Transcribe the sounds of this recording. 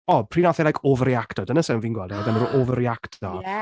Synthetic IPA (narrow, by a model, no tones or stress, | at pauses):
ɔpʰr̥iːnaθɛlˠajkʰɔvəriaktɔdənəsɛwnviːnɡwɛlˠdɛdanəɾuʔɔvəɾiaktʰɔ